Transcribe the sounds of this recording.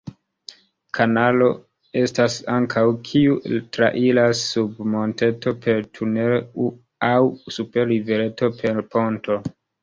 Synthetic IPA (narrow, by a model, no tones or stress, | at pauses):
kʰanalo̞ | e̞stasaŋkʰawkʰiutɾa̰ʔilasːubmo̞nte̞to̞pe̞ɾtʰuneu | awsupe̞ɾiveɾe̞to̞pʰe̞ɾpʰo̞nto̞